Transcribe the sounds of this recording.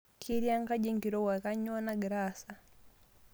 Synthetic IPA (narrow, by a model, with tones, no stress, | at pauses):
kʰi˦ɾja˦ŋɡa˦d͡ʒɛ˦ŋɡi˨ɾɔ˦wa˨ka˦ɲɔ˦na˦ɡɾasa˨